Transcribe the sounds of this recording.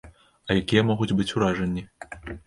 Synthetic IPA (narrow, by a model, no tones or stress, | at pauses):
ɐjakʲijɐmɔɣud͡zʲbɨt͡sʲuɾaʐɐnʲːi